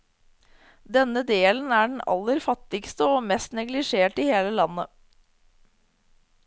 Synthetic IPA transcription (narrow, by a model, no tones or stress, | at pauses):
d̪ɛnəd̪eːlən̩æːɖɳ̩ɑ̰lːəɾfɑt̪ɪkst̪əoːmɛst̪nɛɡlɪʂeːʈɪheːləlɑnːə